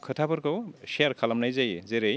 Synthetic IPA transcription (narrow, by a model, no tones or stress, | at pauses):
kʰɯtʰabɯɾkʰowseaɾkʰalamnajzajzeɾej